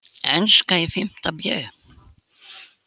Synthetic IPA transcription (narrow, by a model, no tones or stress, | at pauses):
ɛnskaifɪm̥t̪abjœ̰ː